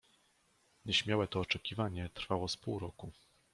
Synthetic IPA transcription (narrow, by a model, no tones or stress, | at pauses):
ɲɛɕmʲjawɛt̪ɔːt͡ʂɛkʲivaɲɛt̪ɾfawɔspuwɾɔku